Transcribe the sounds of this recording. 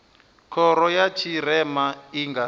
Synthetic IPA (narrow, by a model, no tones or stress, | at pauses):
kʰɔɾɔjat͡ʃʰiɾɛmaiŋɡa